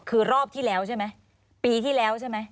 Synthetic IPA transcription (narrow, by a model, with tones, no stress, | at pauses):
kʰɯː˧ɾɔː˥˩p̚t̪ʰiː˥˩lɛː˦˥wt͡ɕʰa˥˩ma˦˥j | piː˧t̪ʰiː˥˩lɛː˦˥wt͡ɕʰa˥˩jma˦˥j